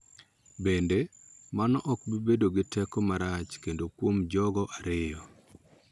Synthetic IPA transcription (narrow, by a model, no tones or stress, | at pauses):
bendemanɔʔɔkbibedoɡɪtɛkɔmaɾat͡ʃkendokwomd͡ʒɔɡɔʔaɾɪjɔ